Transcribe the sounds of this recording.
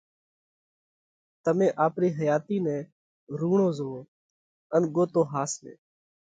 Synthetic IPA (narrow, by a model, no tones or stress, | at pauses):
t̪əmẽːʔaːpɾiːɦəjaːt̪iːnɛ̃ː | ɾuːɳõːzoː | ənɡoːt̪õːɦaːslḛː